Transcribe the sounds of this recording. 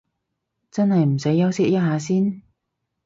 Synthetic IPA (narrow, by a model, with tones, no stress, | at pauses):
t͡sɐ˥nhɐ˨jm̩˨˩se˨˥jːɐ˥wsɪ˥k̚jɐ˥t̚ɦaː˨˧s̬iː˥n